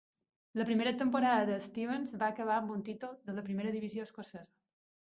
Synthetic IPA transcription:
ləpɾimeɾət̪əmpoɾaðəðəːst̪iβənzβaəkəβ̞aəmbunt̪it̪ulˠðələpɾimeɾəðiβizioəskosɛzə

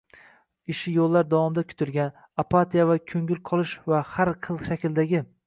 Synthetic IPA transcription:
ɪʃɪjolˠːaɾd̪avɒmd̪akʲʰʊ̥t̪ʰɪlɡʲan | apʰːat̪ijavakʲʰɵŋʲɪlqʰɒlˠɪʃvahaɾqʰɨlˠʃakʲɪld̪aɡʲɪ

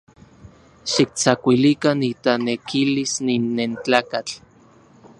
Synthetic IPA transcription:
ʃik̚t͡sakʷilikanit̪anekilisninːent͡ɬaːkat͡ɬ

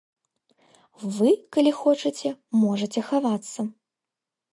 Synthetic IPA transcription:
vɨkalʲixɔt͡ʂɨt͡sʲɛmɔʐɐt͡sʲɛxavat̪sːɐ

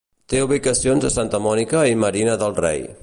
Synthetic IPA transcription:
t̪euβ̞ikəsionzəsant̪əmɔnikəiməɾinəðəlˠrḛj

